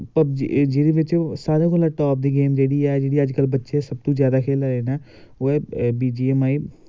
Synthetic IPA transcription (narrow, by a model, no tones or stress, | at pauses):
pɐbd͡ʒd͡ʒeːɽiʋɪt͡ʃsaːɾẽkolaʈɔːp̚d̪iːɡeːmd͡ʒeːɽiɛd͡ʒeːɽiɐd͡ʒkəlbətːʃesɐb̚t̪ũzjaːd̪akʰeːlaɾeːna | oebiːd͡ʒiːemaːi